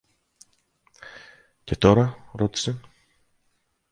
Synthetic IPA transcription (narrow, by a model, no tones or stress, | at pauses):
ce̞t̪o̞ɾɐɾo̞t̪i̥se